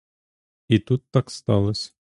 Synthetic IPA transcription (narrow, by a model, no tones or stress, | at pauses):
it̪ut̪ːɑkst̪ɑlˠəsʲ